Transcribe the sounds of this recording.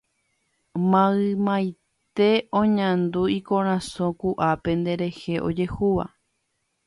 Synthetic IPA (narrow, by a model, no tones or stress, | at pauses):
mãɨmãj | t̪e̞õɲãnd̪uikõɾ̃ãsõkuʔape̞nd̪e̞ɾe̞he̞ʔo̞d͡ʒe̞huʋa̰